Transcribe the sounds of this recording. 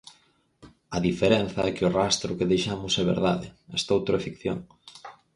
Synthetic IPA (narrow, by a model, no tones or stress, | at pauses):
ɐðifeɾen̟θɐɛkɪʊrast̪ɾʊkeðejʃamʊsɛβḛɾðaðɪɛ̰st̪owt̪ɾoɛfikθjo̰ŋ